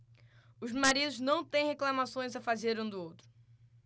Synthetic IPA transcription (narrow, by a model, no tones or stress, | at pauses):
ʊzmaɾid̪ʊznɐ̃w̃t̪ẽj̃heklɐmasõj̃zɐfazeɾũd̪ʊowt̪ɾʊ̥